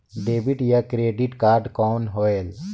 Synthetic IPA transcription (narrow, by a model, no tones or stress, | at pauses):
ɖeːbiʈjakɾeːɖiʈkaːɾɖkɔːnɦoel